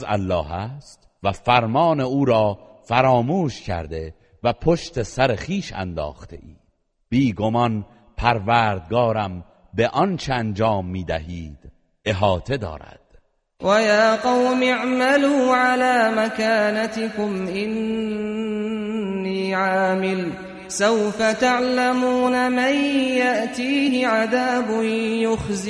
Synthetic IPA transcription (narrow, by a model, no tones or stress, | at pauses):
zæ̰lːɒːɦæːst̪ | væfæɾmɒːne̞uːɾɒː | fæɾɒːmuːʃcʰæ̰ɾd̪e̞ | væpʰoʃt̪e̞sæɾexiːʃæ̰nd̪ɒ̰ːxt̪ʰe̞̰ʔiːd̪̥ | b̥iːɡo̞mɒn | pʰæɾvæːɾd̪̚ɡɒːɾæm | beʔɒnt͡ʃʰeænd͡ʒɒːmːiːd̪æɦiːd̪̥ | e̞ɦɒːt̪ʰe̞d̪ɒ̰ːɾæ̰d̪̥ | wʔajaːqɑwmɪʕmaluːʕalaːmakaːnat̪ɪkʊmʔɪn | iːʕaːmɪl | sawfat̪aʕlamuːnamanjaʔt̪iːhɪʕaðaːbʊnjʊxzɪ